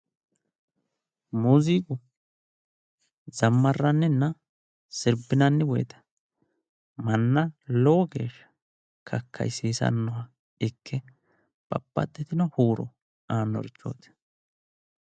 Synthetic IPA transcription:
muːziːɡʊ | zɐmːɐrːɐnːɛnːɐ | sɪɾbɪnɐnːɪwɔjɛt̪ɐ̥ | mɐnːɐloːɡḛːʃːɐ̥ | kʰɐkʰːɐ̰jsiːsɐ̰nːɔhɐ | ɪkʰːɛ | b̥ɐ̰pːɐ̰d̪ːɛt̪ɪnɔhuːɾɔ | aːnːɔ̰ɾɪt͡ʃːo̞̰ːt̪ɪ̥

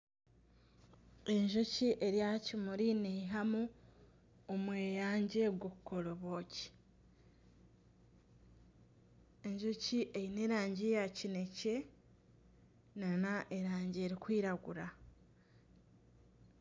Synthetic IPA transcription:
e̞ɲʒociʔe̞ɾjahacimuɾineɦamu | omweːjaːɲɟe̞ɡwokːoloβoci̥ | e̞ɲʒociʔejineːɾaːɲɟejacine̞ce̞ | nanaʔeɾaːɲɟeːɾikwiːɾaɡuɾa

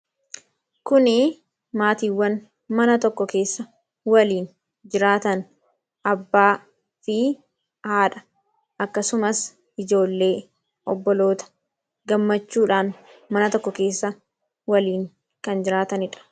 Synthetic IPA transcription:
kʊnɪ | maːt̪iːwːɐn | mɐnɐt̪ɔkːɔke̞ːsːɐ | wɐliːn | d͡ʒɪɾaːt̪ɐn | ʔɐbːaː | fɪ | haːᶑɐ̥ | ʔɐkːɐsʊmɐs | ʔɪd͡ʒo̞ːlːe̞ː | ʔɔbːɔlo̞ːt̪ɐ̥ | ɡɐmːɐt͡ʃːuːᶑaːnmɐnɐt̪ɔkːɔke̞ːsːɐ | wɐliːŋ | kɐnd͡ʒɪɾaːt̪ɐnɪᶑɐ̥

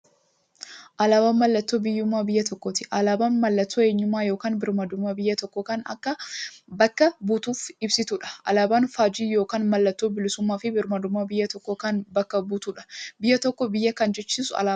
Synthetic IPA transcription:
ʔɐlaːbaːnmɐlːɐt̪ːoːbɪjːʊmːaːbɪjːɐt̪ɔkːɔt̪ɪʔɐlaːbaːnmɐlːɐt̪ːoːe̞ːɲːʊmːaːjo̞ːkaːnbɪɾmɐd̪ʊmːaːbɪjːɐt̪ɔkːɔkanɐ̰kːɐbɐkːɐbuːt̪uːfɪbsɪt̪uᶑɐ̥ʔɐ̰laːbaːnfaːd͡ʒiːjo̞ːkaːnmɐlːɐt̪ːoːbɪlɪsʊmːaːfɪbɪɾmɐd̪ʊmːaːbɪjːɐt̪ɔkːɔkɐnbɐkːɐbuːt̪uːᶑɐ̥bɪjːɐt̪ɔkːɔbɪjːɐkɐnd͡ʒɛt͡ʃːiːsʊɐ̰laː

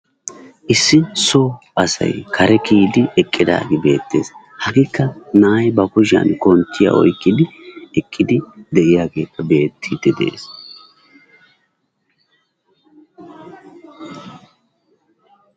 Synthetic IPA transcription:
ʔɪsːɪso | ɐsɐ̰jkʰɐɾɛkiːd̪ɪʔɛkʼːɪd̪a̰ːɡɪbe̞ːt̪ːe̞̰ːs | hɐɡɪkːɐnaːjbɐkʊʃɪɐ̰nkɔnt̪ːɪja̰ʔɔ̰jkːɪd̪ɪɛkʼːɪd̪ɪd̪ɛʔɪjaːɡe̞ːkːɐbe̞ːt̪ʰːid̪ɛd̪e̞̰ːs

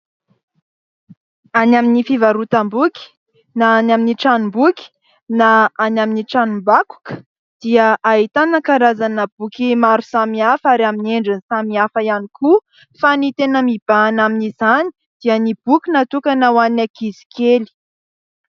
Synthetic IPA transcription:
anaminifivaɾut̪ambukʲi̥ | naanaminiʈ͡ʂanumbukʲi̥ | naanaminiʈ͡ʂanumbaku̥kə̥ | d̪̥iəʔaɦit̪anakaɾazanəb̥ukimaɾusamiafaɾamineɳɖ͡ʐənsamiafəjaniku | fanit̪enəmib̥aːnaminizani̥ | d̪̥iənib̥ukʲinat̪ukanawannakizi̥keli̥

